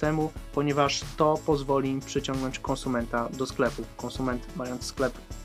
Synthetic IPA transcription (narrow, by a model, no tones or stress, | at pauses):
ɛmupɔɲɛvaʂt̪ɔpɔzvɔlʲimpʂɘt͡ɕɔ̃ŋɡnɔɲt͡ɕkɔ̃ñsumɛnt̪ad̪ɔsklɛpufkɔ̃ñsumɛnt̪majɔnt̪ssklɛp